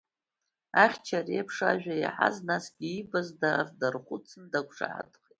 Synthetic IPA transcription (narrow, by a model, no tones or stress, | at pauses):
aχʲt͡ʃʰariapʰʂaʒᶣʷaiħa̰znasɡʲiibazdardarχʷʊt͡sʰɨndakʷʂa̰ʕa̰dχʼetʼ